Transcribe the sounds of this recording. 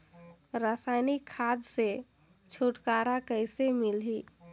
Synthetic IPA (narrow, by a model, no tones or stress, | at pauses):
ɾəsaɪnikʰːad̪se | t͡ʃʰuʈkaɾakəɪsemilɦi